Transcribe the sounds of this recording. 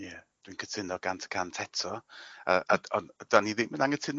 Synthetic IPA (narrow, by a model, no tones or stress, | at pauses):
jɛd̥winkʰətʰɪnɔɡantʰə̥kʰantʰɛtʰɔəʔaɔnd̥aniðɪnmənaŋətʰɪn